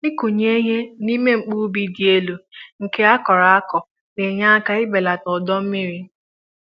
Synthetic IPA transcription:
i˦ku˨ɲe˦ɲe˦ni˦me˦ŋ͡m̩˨k͡pu˦bi˦di˨e˦lo˨ŋ̩˨ke˦a˦kɔ˨ɾa˨a˦kɔ˨ | le˨ɲa˦a˦ka˦ɪ˦ɡ͡be˨la˨tɔ˨dɔ˦m̩˦mi˦ɾi˦

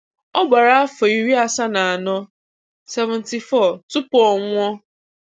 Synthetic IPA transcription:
ɔ˦ɡ͡ba˨ɾa˦a˦fɔ˨i˨ɾi˦a˨sa˦na˨a˨nɔ˦ | sɛ˦vʊ̃˨n̩˨ti˨fɔ˦˨tʊ˦pʊ˨ɔ˨ŋʷɔ˦

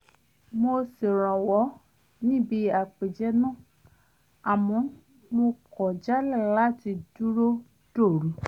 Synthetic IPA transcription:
mo˧se˨ɾ̃ã˨wɔ˨˦ | nĩ˦˨bi˧˦a˨k͡pe˨d͡ʒɛ˦nã˦˨ | a˨mɔ̃˨˦ | mo˧kɔ˨d͡ʒa˦lɛ˦˨la˦˨ti˧du˦ɾo˦ | d̥o˦˨ɾu˨˦

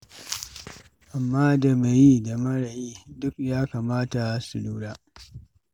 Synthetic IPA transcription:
ʔa˨mːaː˦da˨me˨ji˦da˨mɐ˦ɽa˨jiː˦dʊ˦kjaː˦kaː˨maː˦ta˨su˨luː˦ɽaː˦

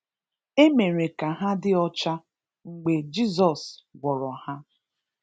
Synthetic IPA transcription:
e˦me˨ɾe˨ka˨ɦa˦dɪ˦ɔ˦t͡ʃa˦ | ŋ͡m̩˨ɡ͡be˨d͡ʒi˦zɔ˨sɡʷɔ˨ɾɔ˨ha˦

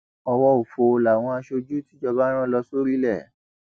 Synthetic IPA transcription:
ɔ˧wɔ˧o˨fo˨˧la˨w̃ɔ̃˧a˧ʃo˧d͡ʒu˦ti˦d͡ʒɔ˧ba˦ɾ̃ã˦lɔ˧so˦ɾi˦lɛ˦˨

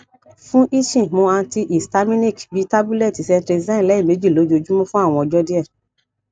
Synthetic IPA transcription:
fũ˦ʔi˦ʃĩ˦˨mõ˧a˧n̩˧ti˧ʔi˨sta˧mĩ˦nĩ˦˨kbi˨˦ta˦bu˦lɛ˦˨ti˨sɛ˧ntɾɛ˧zã˦˨lɛ˨˦i˦˨me˨˦d͡ʒi˦˨lo˨˦d͡ʒo˧d͡ʒu˦mũ˦fũ˦a˦˨w̃ɔ̃˧ɔ˧˨d͡ʒɔ˦di˦ɛ˦˨

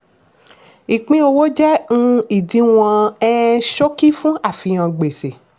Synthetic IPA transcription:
i˨k͡pĩ˧˦o˧wo˦d͡ʒɛ˦ũ˦i˨dĩ˨˧˦w̃ɔ̃˧ɛ˦ʃo˦ki˦fũ˦a˦˨fi˧j̃ã˧ɡ͡be˨se˨

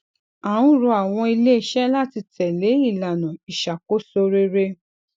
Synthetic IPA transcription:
a˨ũ˦˨ɾu˧a˨w̃ɔ̃˧i˧le˦˨ʃɛ˦la˦ti˧tʰɛ˨le˨˦i˦˨la˨nũ˨i˨ʃa˨ko˦so˧ɾe˦ɾe˦

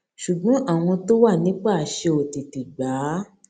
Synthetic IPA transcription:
ʃu˨ɡ͡bɔ̃˨˦ʔa˦˨w̃ɔ̃˧to˦wa˦˨nĩ˨˦k͡pa˦˨ʃe˧o˨ti˨ti˨ɡ͡baː˨˦

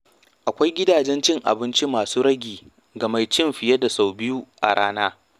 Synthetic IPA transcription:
ʔa˨kʷa˦jɡʲɪ˦daː˨d͡ʒɛ˦nt͡ʃɪ˦ŋʔa̰˨bɪ˦nt͡ʃi˦maː˨suː˦ɽɐ˦ɡʲiː˨ | ɡɐ˨ma˦jt͡ʃɪ˦mɸɪ˨jɐ˦da˨sa˨wbɪ˦ju˦ʔa̰˨ɽaː˦naː˦

